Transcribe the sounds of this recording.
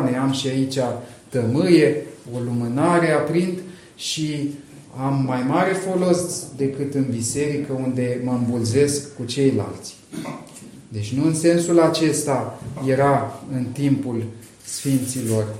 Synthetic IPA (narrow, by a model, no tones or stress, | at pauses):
ne̞amʃiait͡ʃʲa | t̪əmɨje̞o̞lumɨnaɾe̞apɾint̪ | ʃi | amːajmaɾe̞fo̞lo̞sd̪e̞kɨt̪ɨnbise̞ɾikəund̪e̞məɨmbulze̞skːut͡ʃe̞jla̰lt̪sʲ | d̪e̞t͡ʃʲnuɨnse̞nsulat͡ʃe̞st̪aje̞ɾaɨnt̪impul | sfint̪silo̞r